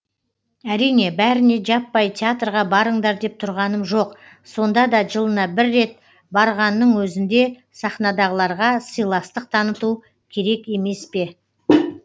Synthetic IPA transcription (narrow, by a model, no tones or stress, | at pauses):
æɾijne̞bæɾɪne̞ʒɑpːɑjt̪ʰʲeat̪rʁɑbɑɾəɴd̪ɑɾd̪e̞p̚t̪ʰʊɾʁɑnəmʒo̞q | so̞nd̪ɑd̪ɑʒəlˠənɑbɪɾːe̞t̪̚ | bɑɾʁɑnːəɴwɵzɪnd̪e̞ | sɑχnɑd̪ɑʁəlˠɑɾʁɑsəjlˠɑst̪əq̚t̪ʰɑnət̪u | kʲʰe̞ɾe̞ke̞me̞spe̞